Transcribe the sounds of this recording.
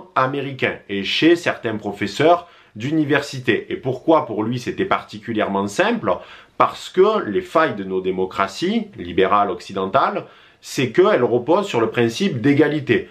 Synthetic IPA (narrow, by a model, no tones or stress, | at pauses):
ameʁikʲɛ̃eʃesɛʁt̪ɛ̃pχɔfɛsœʁ | d̪ynivɛʁsit̪eʔepuʁkwapuʁlɥisɛt̪ɛpaʁt̪ikʲyljɛʁmɑ̃sɛ̃pləpaʁsə̥kəlefajd̪ənod̪emɔkχasilibeʁalɔksid̪ɑ̃t̪al | sɛkəɛlʁəpɔzsyʁləpχɛ̃sipd̪eɡalit̪e